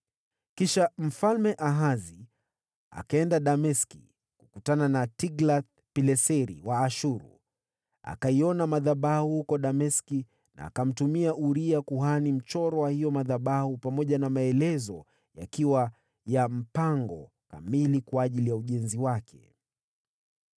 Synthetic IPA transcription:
kiʃam̩falmɛʔaɦazi | a̰kaɛndaɗamɛskḭ | kukutananatiɡlaθ | pilɛsɛɾḭwaːʃuɾṵ | a̰kaiɔnamaðaɓahuhukɔɗamɛski | na̰ːkam̩tumiaʔuɾiakuɦanim̩t͡ʃɔɾɔwahijɔmaðaɓahupamɔʄanamaɛlɛzɔ | ja̰kiwa | jam̩paŋɡɔ̰ | ka̰milikwaːʄilijauʄɛnziwakʰɛ̰

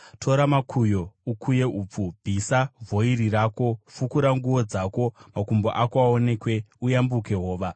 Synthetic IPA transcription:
tʰo̞ɾamakʰujo̞ukuje̞ʔuːp͡fubʱisavʱo̞iɾirako̞fukuɾaŋɡuʋo̞d͡zako̞makumboʔakoaone̞kwe̞ujambuke̞ɦo̞ːʋa

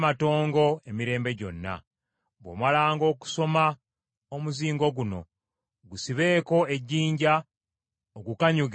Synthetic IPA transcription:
mato̞ːŋɡo̞emiɾe̞ːmbe̞ɟo̞̰nːa̰ | bwo̰malaːŋɡo̞ːku̥so̞ma | omuziːŋɡo̞ɡuno̞̰ | ɡusiβe̞ːko̞e̞ɟːiːɲɟa | oɡukaɲuɡ

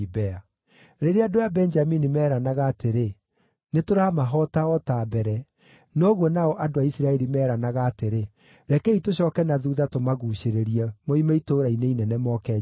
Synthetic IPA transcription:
bɛa | ɾeɾeadojabɛnd͡ʒaminimɛːɾanaɣaːteɾe | netoɾamaɦɔtaɔtaːbɛɾɛ | nɔɣwɔnaɔʔadoaisiɾaɛɾimɛːɾanaɣaːteɾe | ɾɛkɛitoɕɔkɛnaðuːðatomaɣuɕeɾeɾiɛmoimaitoːɾaineinɛnɛmɔkɛ

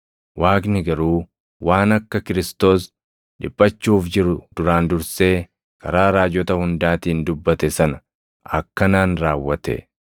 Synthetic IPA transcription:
waːknɪɡɐɾuː | waːnɐkːɐkɪɾɪst̪o̞ːs | ᶑɪpʼːɐt͡ʃːuːfd͡ʒɪɾʊd̪̥ʊɾaːnd̪ʊɾse̞ː | kɐɾaːɾaːd͡ʒɔt̪ɐhʊnd̪aːt̪iːnd̪ʊbːɐt̪ɛsɐnɐ | ɐ̰kːɐnaːnɾaːwːɐt̪ɛ̰

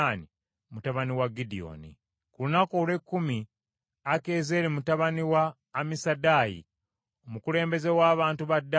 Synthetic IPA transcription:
ani | mutaβaniwaɡidio̞̰ːnḭ | kulunakoːlwe̞kːumi | ake̞ːze̞ːɾemutaβaniwaː | misadaːjḭ | omukule̞ːmbe̞ze̞waːβaːntuβadːa

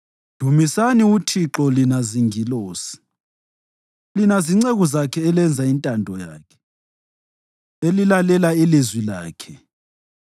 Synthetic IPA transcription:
d̥ʱumisaniutʰiǁɔlinaziŋiloːsi̥ | linaziŋ͡ǀeɣuzakʰɛːlɛnd͡zʱaintʼandʱɔja̰ːkʰɛ̥ | elilalɛlailizwila̰ːkʰɛ

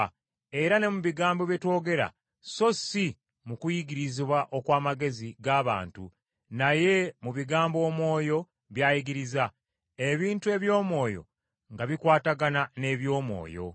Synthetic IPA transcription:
e̞ɾane̞muβiɡaːmbo̞βjeto̞ːɡe̞ɾa̰ | so̞si | mukujiɡiɾiziβwaʔo̞kwaːmaɡe̞ziɡaːβa̰ːntṵ | naje̞muβiɡaːmbo̞ːmwo̞ːjo̞ | βjaːjiɡiɾiza | eβiːntue̞βjo̞ːmwo̞ːjo̞̰ | ŋɡaβikwaːtaɡanane̞βjo̞ːmwo̞̰ːjo̞̰

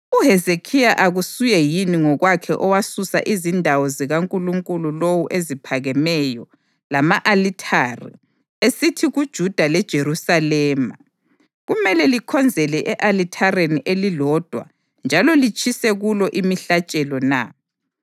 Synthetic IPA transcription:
uɦɛzekʰijaʔaɣusujɛjiniŋɔɣwakʰɛʔɔwasusa̰ʔizindʱawɔziɣaŋkʼuluŋkʼululowuʔezipʰaɣɛmɛjɔ | lamaʔalitʰarḭ | esitʰiɣud̥ʒ̥ʱud̥ʱalɛd̥ʒ̥ʱeɾusalɛːma | ɣumɛlɛlikʰɔnd͡zʱɛlɛʔɛʔalitʰareniʔelilɔd̥ʱwa̰ | nd͡ʒʱalɔlit͡ʃʼisɛɣulɔʔimiɬat͡ʃʼɛlɔna̰

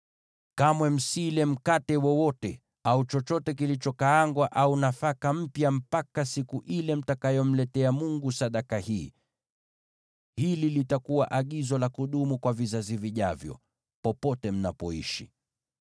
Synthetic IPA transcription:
kamwɛm̩silɛm̩katɛwɔwɔtɛ | aut͡ʃɔt͡ʃɔtɛk̬ilit͡ʃɔkaaŋɡwaʔaunafakam̩pjam̩pakasikuʔilɛm̩takajɔm̩lɛtɛamuŋɡusaɗakahiː | hililitakuwa̰ʔaɠizɔlakuɗumukwavizaziviʄavjɔ̰ | pɔpɔtɛm̩napɔḭʃḭ

